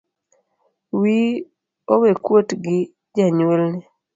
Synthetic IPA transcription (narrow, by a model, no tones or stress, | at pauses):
wi | owekwotɡɪ | d͡ʒaɲwelnɛ